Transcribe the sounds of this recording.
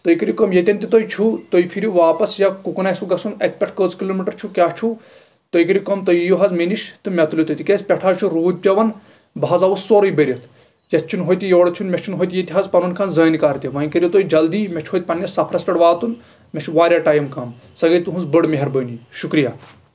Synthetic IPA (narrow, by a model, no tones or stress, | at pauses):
t̪oikɐɾʲikomjet̪ʲɐnʲt̪it̪ojt͡ʃʰut̪oipʰiɾuʋaːpɐsjakukunaːɐsuɡɐsunɐt̪̚ʰʲpʲɛʈʰkəːzkiloːmiʈɐɾt͡ʃʰukʲaːt͡ʃʰu | t̪ojikɐɾʲikomt̪ojjuɦɐzmeniʃt̪ɨmʲɐt̪ulit̪ojt̪ikʲesʲpʲɛʈʰaːt͡ʃʰuɾuːd̪̚ʲpʲɐʋɐn | baːzɐʋusːoːɾɐjbəɾʲɐt̪ʰ | jɐt̪̚ʰt͡ʃʰunɦoːjt̪ijoːɽt͡ʃʰunmʲet͡ʃʰunɦoːjt̪ijet̪ʲiɦazpɐnunkʰanzɐːnikaːɾt̪ʲiʋɐːnʲkəɾʲjit̪oːid͡ʒɐld̪iːmʲet͡ʃʰɦoːjt̪̚ʲpɐnjɐsɐpʰɾɐspɐɽʋaːt̪un | mʲet͡ʃʰuʋaːɾʲjaːʈaːjmkɐm | sɐɡɐjt̪uɦunzbəɽmeɦɐɾbəːniʃukɾijaː